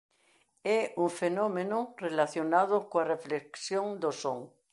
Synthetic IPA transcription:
euɱfenõmẽnorelaθjonaðokoarefleksjõŋd̪osoŋ

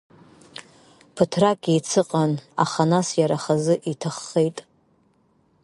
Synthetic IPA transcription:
pʰɨtʰrakʼiit͡sʰɨqʼana̰χanasjaɾaχazɨʔitʰaχːejtʼ

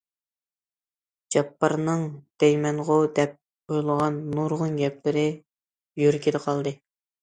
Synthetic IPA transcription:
d͡ʒɑpːɑɾnɨŋd̪̥ɛjmɛnʁʊd̪ɛp̚ | ojlˠəʁɑnːuɾʁʊnɡʲɛplɪɾɪ | jøɾkʲʰid̪ɨqʰɑlˠd̪ɨ

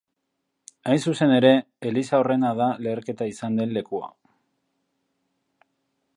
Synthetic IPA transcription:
ajnsuse̞ne̞ɾe̞ | elisao̞re̞naðale̞ːɾke̞t̪aisand̪e̞nle̞kua̰

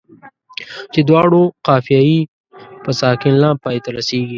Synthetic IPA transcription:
t͡ʃed̪wɑːɽoqaːfijaːi | pəsaːkɪnlãːpaːjt̪ɐɾɐseːɡi

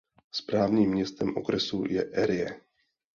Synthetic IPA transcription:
spɾaːvɲiːmːɲɛst̪ɛmʔo̞̰kɾɛsṵjɛʔɛɾɪjɛ

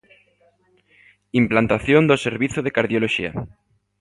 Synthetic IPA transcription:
implant̪aθjond̪oseɾβiθoð̞ekaɾðjoloʃḭa̰

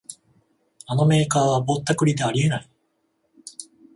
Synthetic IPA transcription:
ano̞me̞ːkaːβabo̞t̪ːakɯ̟ɾʲid̪e̞aɾʲie̞nai

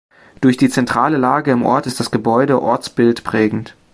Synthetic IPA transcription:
d̥ʊɐçd̥iːt͡sɛntʁ̥aːləlaːɡəɪmʔɔ̰ɐtɪstd̥asɡ̥əbɔʏɾəʔɔɐt͡sb̥ɪltpʁ̥ɛːɡŋ̩t

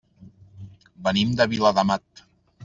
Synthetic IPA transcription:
bənimd̪əβiləðəmat̪̚

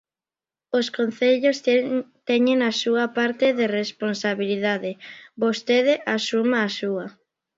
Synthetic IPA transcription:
oskon̟θeʎost̪ɛɲeŋasuɐpaɾt̪ɪðeresponsaβiliðaðɪbost̪eðɪʔasumaːsuɐ

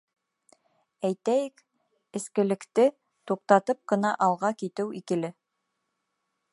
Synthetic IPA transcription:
æjt̪æjɘk | ɘ̆skɘ̆lɘ̆kt̪ɘ | t̪uq̚t̪ɑt̪ɤp̚qɤ̆nɑʔɑlˠʁɑkit̪ɘwikɘ̆lɘ

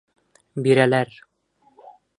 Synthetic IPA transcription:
biɾælæɾ

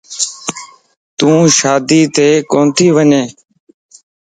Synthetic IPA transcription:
t̪ũːʃaːd̪iːt̪eːkoːnt̪ʰiːʋəɲẽː

